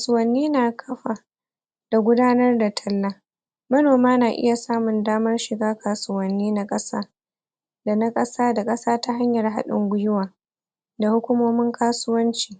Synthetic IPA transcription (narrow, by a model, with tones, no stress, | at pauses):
ka˨sʊ˦wɐ˨nːiː˦naː˨kʰɐ˦ɸa˨ | d̥a˨ɡʷʊ˦daː˦nɐ˦rda˨tʰɐ˦lːa˦ | mɐ˦noː˨maː˦naː˨ʔɪ̰˦ja˨saː˦mʊ˨ndaː˦mɐ˦rʃɪ˨ɡaː˦kʰaː˨sʊ˨wɐ˨nːiː˦na˦kʼɐ˦saː˦ | da˨na˦kʼɐ˦saː˦da˨kʼɐ˦saː˦ta˦ɦa˦ɲjɐ˨rɦa̰˦ɗɪ̰˦ŋɡʷʊ˦jʊ˦waː˨ | da˨hʊ˦kʷʊ˦moː˦mɪ˦ŋkʰaː˦sʊ˦wɐ˦nt͡ʃiː˨